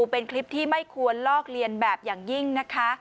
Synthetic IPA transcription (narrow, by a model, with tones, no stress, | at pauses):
pe˧nkʰli˦˥p̚t̪ʰiː˥˩ma˥˩jkʰu˧ənlɔː˥˩k̚ɾi˧ənbɛː˨˩p̚jaː˨˩ŋji˥˩ŋna˦˥kʰa˦˥